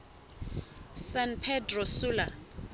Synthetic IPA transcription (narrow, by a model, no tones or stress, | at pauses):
sanpʰɛdrɔsula